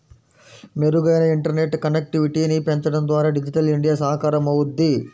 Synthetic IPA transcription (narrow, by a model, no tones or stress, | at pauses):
meɾuɡɐjnɐiɳʈɐɾne̞ʈːkɐnek̚ʈiʋiʈiːnipent̪ɐɽɐnd̪ʋaːɾaːɖid͡ʒiʈɐliɳɖijaːsɐɦɐkaːɾɐmɐwud̪ːi